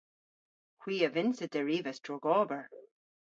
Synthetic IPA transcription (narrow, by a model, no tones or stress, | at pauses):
hwiːəvɪnsəd̪ɛɹiːvəsd̥ɹɔɡɔːbəɹ